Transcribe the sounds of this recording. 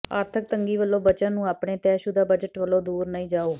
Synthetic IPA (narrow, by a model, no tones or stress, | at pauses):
aːɾt̪ʰək̚t̪əŋɡiːʋəlːoːbət͡ʃãːnũːaːpɳeːt̪ɛːʃuːd̪aːbəd͡ʒəʈʋəlːoːd̪uːɾnəĩːd͡ʒaːoː